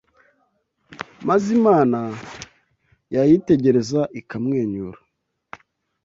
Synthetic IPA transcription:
mazimaːna | jajite̞ɟe̞ɾe̞zaʔikamŋeːɲuɾa

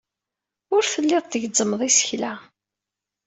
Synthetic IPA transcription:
ʊɾθəlːɪðˤt̪ːəʝzːəmːəðˤisə̥çla

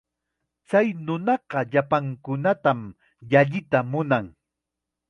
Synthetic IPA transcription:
t͡sajnʊnɑɢɑʎapaŋkʊnat̪am | jaʎɪt̪amʊnaŋ

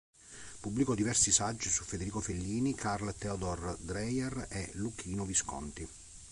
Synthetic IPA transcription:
pubːlikɔd̪ivɛrsisad͡ʒːisufːed̪eɾiːkofelːiːnikʰarlt̪ɛod̪ɔrd̪ɾɛjɛreluk̟ʰiːnoviskɔ̰nt̪i

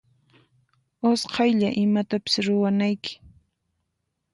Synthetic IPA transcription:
osqʰɑjʎaʔɪmat̪apɪ̥sɾʊwanajkɪ̥

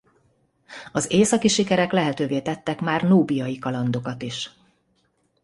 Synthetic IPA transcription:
ɒzeːsɒkiʃikɛɾɛklɛɦɛt̪øːveːt̪ɛt̪ːɛkmaːrnoːbijɒjikɒlɒnd̪o̞kɒt̪iʃ

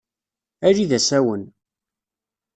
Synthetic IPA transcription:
æɾiðæsæwən

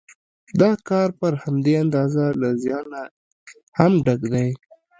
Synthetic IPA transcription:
d̪ɑkɑɾpəɾhamd̪eand̪ɑzalazjɑna | hamɖaɡd̪aj

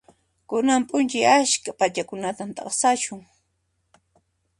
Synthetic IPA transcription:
kʊnampʼʊnt͡ʃajaʃkapat͡ʃakʊnat̪amt̪ɑ̰χsaʃʊŋ

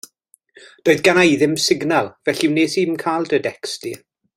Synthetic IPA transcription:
d̥oːɨðɡanajðɪmsɪɡnalˠvɛɬiwneːsiːmkʰaːlˠdədɛksti

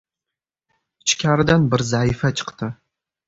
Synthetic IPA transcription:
t͡ʃkʲʰaːɾd̪anbɨrzaːifɐt͡ʃʰɨ̥qt̪ʰɨ

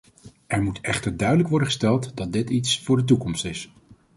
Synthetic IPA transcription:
ʔɛɹmutʰɛχtəɹdœɥdələkʋɔɹdəχəstɛlˠtdɑt̚dɪtitsfʊːɹdət̬ukɔmstɪs

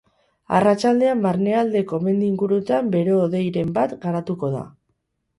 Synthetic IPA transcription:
a̰rat͡ʃald̪e̞ambaɾne̞ald̪e̞ko̞me̞nd̪iŋɡuɾut̪ambe̞ɾe̞oðe̞jɾe̞mbat̪ɡaɾat̪uko̞ða̰

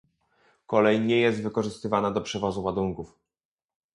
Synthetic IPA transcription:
kɔlɛjɲɛjɛs̬t̪vɘkɔʐɘst̪ɘvanad̪ɔpʂɛvɔzuwad̪uŋkuf

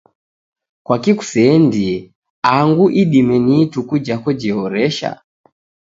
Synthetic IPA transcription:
kwakiku̥sɛndi | aŋɡuʔiɗimɛnitukud͡ʒakɔd͡ʒiɦɔɾɛʃa̰

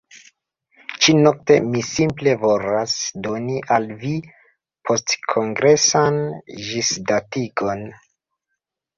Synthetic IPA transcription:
t͡ʃino̞k̚te̞misimple̞vo̞lasdo̞niʔalvi | pʰo̞stkʰo̞ŋɡɾe̞sanʒisdatiɡo̞n

